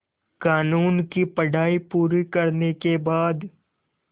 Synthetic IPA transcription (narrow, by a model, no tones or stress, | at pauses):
kaːnuːnkipɐɽʱaːipuːɾikɐɾnekebaːd̪